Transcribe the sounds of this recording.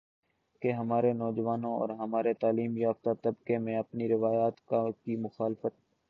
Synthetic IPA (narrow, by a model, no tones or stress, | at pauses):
keɦɐmaːɾenɔːd͡ʒʋaːnõɔ̰ːɾɦɐmaːɾet̪aːliːmjaːft̪at̪ɐbkemẽɐpniɾɪʋaːjaːt̪kakimʊxaːlfət̪̚